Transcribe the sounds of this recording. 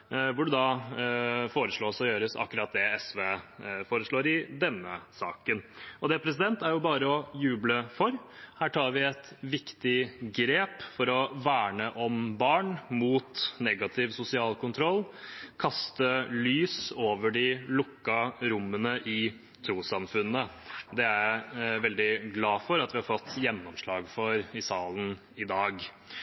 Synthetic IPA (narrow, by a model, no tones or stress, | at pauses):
ʋʊɖʉd̪ɑ | foːɾəʂɭoːsɔjøːɾəsɑ̰kːʉɾɑːt̪̚d̪ɛɛsʋeːfoːɾəʂɭoːɾɪd̪ɛnːəsɑ̰ːkənɔd̪ɛpʰɾɛsɪd̪ɛnt̪æɾjʊbɑːɾəɔjʉːbləfɔɾhæːʈʰɑːɾʋɪɛt̪ʋɪkt̪ɪɡɾeːpfɔɾɔʋæːɳəʔɔmbɑːɳmuːt̪nɛɡɑt̪ʰɪʋsʊsɪɑːlkʊnt̪ʰɾɔlːkʰɑst̪əlyːsoːʋəɖɪlʊkːɑɾʊmːənəʔɪ | t̪ʰɾuːsɑmfʉnːəd̪ɛæʋɛld̪ɪɡlɑːfɔɾɑt̪ʋɪhɑɾfɔt̪ːjɛnːɔmʂɭɑːɡfɔɾɪsɑːlən | ɪd̪ɑːɡ